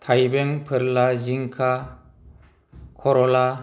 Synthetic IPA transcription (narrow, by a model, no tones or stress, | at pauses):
t̪ʰajbeŋpʰɯɾlaziŋkʰa | kʰɔɾɔla